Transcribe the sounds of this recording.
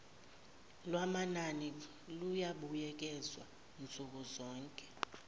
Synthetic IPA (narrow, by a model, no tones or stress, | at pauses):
lwamanani | lujaɓujɛk̬ʼɛzwa̰ | nt͡sʼuk̬uzɔːŋkʼɛ̥